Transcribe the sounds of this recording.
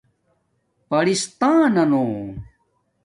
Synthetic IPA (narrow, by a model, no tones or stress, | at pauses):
pɐɽist̪aːnɐnoː